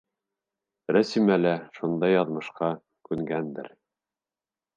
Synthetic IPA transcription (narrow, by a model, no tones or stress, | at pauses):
ɾæsimælæʃund̪ɑjːɑðmɤ̆ʃqɑ | kʉŋɡænd̪ɘ̰ɾ